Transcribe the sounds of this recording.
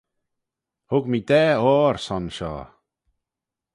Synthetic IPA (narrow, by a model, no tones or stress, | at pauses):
hʊɡmiːd̪ɛːɔːɾsɔnʃɔ̰ː